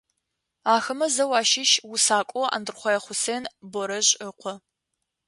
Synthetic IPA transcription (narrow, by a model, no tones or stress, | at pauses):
aːxɐmɐzɐwɑːʃɪʃwʊsaːkʷʼɔa̰ːndɨrχʷɔjɛχʷʊseːnbɔɾɐʑʼəqʷʰɔ